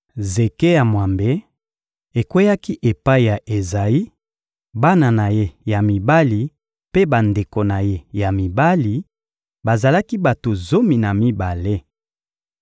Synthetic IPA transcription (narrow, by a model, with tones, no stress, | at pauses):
ze˨ke˦ja˨mwa˨mbe˦ | e˨kwe˦ja˦ki˦ʔe˨pa˦i˨ja˨ʔe˨za˨i˦ | ba˦na˨na˨je˦ja˨mi˨ba˦li˨ | pe˦ba˨nde˨ko˨na˨je˦ja˨mi˨ba˦li˨ | ba˨za˨la˦ki˦ba˨to˨zo˦mi˨na˨mi˦ba˨le˦